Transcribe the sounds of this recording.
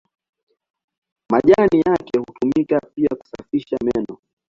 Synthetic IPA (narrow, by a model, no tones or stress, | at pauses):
maʄanijakɛhutumikapiaku̥safiʃamɛnɔ